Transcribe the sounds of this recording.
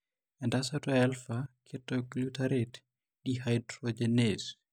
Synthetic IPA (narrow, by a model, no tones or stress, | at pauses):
ɛndasatɔɛlfakʰɛtːɔklutaɾɛt | ɗihajdɾɔd͡ʒɛnes